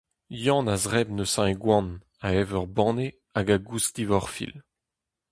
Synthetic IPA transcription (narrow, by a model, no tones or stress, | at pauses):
jɑ̃nazʁɛbnəsãeɡwɑ̃n | aɛvœʁbɑ̃ːne | aɡaɡust̪ivɔʁfḭl